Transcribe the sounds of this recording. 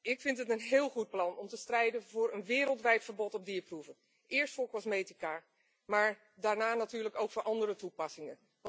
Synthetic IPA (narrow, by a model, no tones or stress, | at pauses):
ɪkfɪntətənɦɪːlˠχut̚plɑnɔmtəstrɛjdənvʊːɹənʋɪːɾəlˠtʋɛjtfəɹbɔtɔb̚diːɹpruvən | ʔɪːɹstfʊːɹkɔsmejtika | maːɹ | daːɹnaːnatyːɹləkowkfʊːɹʔɑndərətupɑsɪŋən